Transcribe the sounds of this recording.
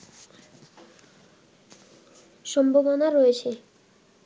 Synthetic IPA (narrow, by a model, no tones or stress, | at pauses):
ʃɔmbʱobonaɾɔet͡ɕʰe